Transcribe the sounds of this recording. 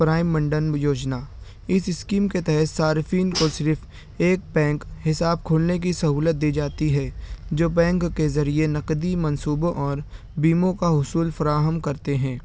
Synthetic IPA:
pɾaːɪmːɐ̃ɳɖənjoːd͡ʒnaː | ɪsɪskiːmket̪ɛɦɛt̪saːɾfiːnkosɪɾfʰ | eːk̚bɛ̃ːŋkɦɪsaːb̚kʰʊːlnek̬isɐɦuːlət̪̚d̪iːd͡ʒaːt̪iɦɛd͡ʒoːbɛ̃ːŋkːezɐɾienɐqd̪imɐ̃nsuːbõʔɔːɾ | biːmõkaɦʊsuːlfɐɾaːɦəmkɐɾt̪eɦɛ̃ː

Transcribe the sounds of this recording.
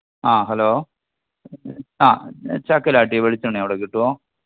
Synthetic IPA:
aːɦɐloː | aːt͡ɕaːkːɐlaːʈːijʋeɻit͡ɕːɐɳːɐʋiɽekiʈːuʋoː

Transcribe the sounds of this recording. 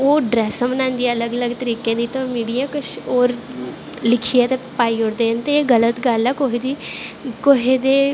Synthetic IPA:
oːɖɾɛːsəmənãːnd̪iɛ̃ːələɡələɡt̪əɾiːkẽːd̪iːt̪õːmiːɽijãːkʊt͡ʃʰoːɾ | lɪkʰiːɛːt̪eːpaːiːoɽd̪eːənt̪eːɡələt̪ɡəlɛːkoɦid̪iːkoɦed̪eː

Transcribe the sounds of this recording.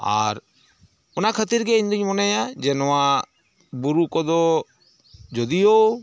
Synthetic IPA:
a̰ɾ | ɔnakʰət̪iɾɡɛiɲd̪iɲmɔnɛjad͡ʒɛnɔwa | buɾukɔd̪ɔ | d͡ʒɔd̪ijo

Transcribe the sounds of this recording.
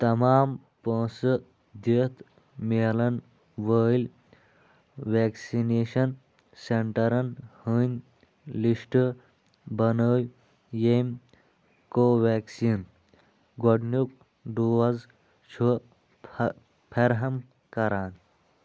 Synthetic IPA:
t̪ɐmaːm | põːsɨ | d̪it̪ | meːlɐn | ʋəːlʲ | ʋeːksineːʃɐn | seɳʈɐɾɐnhənʲ | liʂʈɨ | bɐnəːj | jem | koːʋeːksiːn | ɡoɖnuk̚ | ɖuːwɐz | t͡ʃʰu | pʰeɾɦɐm | kɐɾaːn

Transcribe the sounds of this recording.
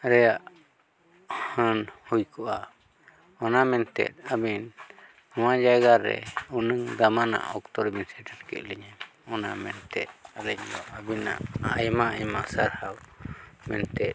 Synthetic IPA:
ɾɛjaʔ | hanhujkʰɔʔa | ɔnamɛnt̪ɛ̰t̪̚abin | ɔmãd͡ʒaɛɡaɾɛ̰unɨŋd̪amana̰ʔɔkt̪ɔɾɛbinsɛʈaɾkɛ̰ʔliɲaɔna̰mɛ̰nt̪ɛ̰ɾɛɲaabina̰ʔajmaɛmasaɾhawmɛ̰nt̪ɛ

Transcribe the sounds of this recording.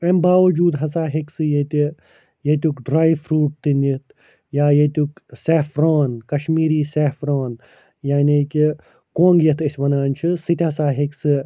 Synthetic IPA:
ɐmbaːʋɐd͡ʒuːd̪ɦɐsaːɦiksɨjet̪ʲi | jet̪̬ʲukɖɾaːjʋfɾuːʈ̚t̪injit̪̚ʰ | jaːjet̪ʲukseːfɾaːnkɐʃmiːɾiːsefɾoːn | jaːniki | kõːŋɡjɐt̪ʰɐsʲʋɐnaːnt͡ʃʰisɨt̪ʲɦɐsaːɦiksɨ

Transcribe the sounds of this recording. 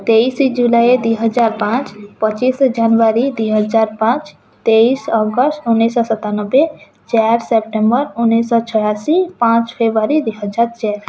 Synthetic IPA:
t̪eisid͡ʒulajed̪wiɦəd͡ʒaːɾpãt͡ʃpət͡ʃisd͡ʒanʋaɾid̪wiɦəd͡ʒaɾpãt͡ʃ | t̪eisɔɡəsʈʊnːisɔsət̪anəbe | t͡ʃaɾsep̚ʈẽmbəɾʊnːisɔt͡ʃʰəɽasipãt͡ʃpʰebɾaɾid̪iɦəd͡ʒaɾt͡ʃɛɾ

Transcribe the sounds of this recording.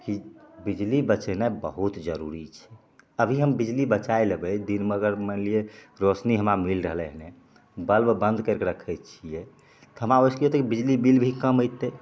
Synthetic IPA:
kibid͡ʒlibət͡ʃɛnebəɦut̪d͡ʒəɾuɾit͡ʃʰɛ̥ | əbʱiɦəmbid͡ʒlibət͡ʃaeləbɛd̪inməɡəɾmənlieɾosniɦəmɾamilɾəɦlɛɦnɛ̃ | bəlbbə̃nd̪kəɾkeɾəkʰɛt̪̚t͡ʃʰijɛ | t̪ɔɦəmɾaoskiot̪kibid͡ʒlibilbʱikəməjt̪ːɛ

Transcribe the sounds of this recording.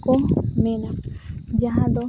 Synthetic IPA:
konenad͡ʒaɦãd̪o

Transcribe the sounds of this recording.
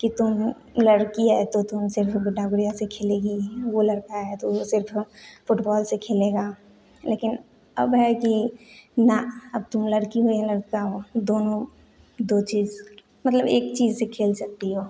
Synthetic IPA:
kit̪ʊm | lɐɽkiɛt̪ot̪ʊmsɪɾfbʊɖaːɡɽijasekʰeːleːɡiʋolɐɽkaɦɛt̪osɪɾffʊʈbɔːlsekʰeːleːɡaː | leːkɪn | ɐ̰bɦɛkinaɐb̚t̪ʊmlɐɽkiɦoiɦɛlɐɽkaɦod̪oːnõ | d̪oːt͡ʃiːz | mɐt̪ləbeːkt͡ʃiːzsekʰeːlsɐk̚t̪iɦoː

